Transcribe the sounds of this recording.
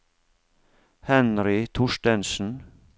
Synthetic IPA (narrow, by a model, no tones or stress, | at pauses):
hɛnɾɪt̪ʰʊʂʈɛnsn̩